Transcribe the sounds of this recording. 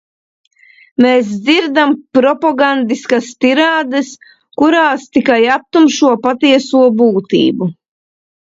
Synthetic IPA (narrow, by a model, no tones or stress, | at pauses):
meːs̬d̪ziɾd̪ampɾɔpɔɡand̪iskast̪iɾaːd̪ɐs | kuɾaːst̪ikajap̚t̪umʃuɔpat̪iɛsuɔbuːt̪ḭːbu